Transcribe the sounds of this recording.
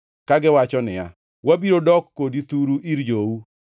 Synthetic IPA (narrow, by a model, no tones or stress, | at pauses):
kaɡɪwat͡ʃɔnɪja̰ | wabiɾodɔkːodit̪uɾuʔiɾd͡ʒou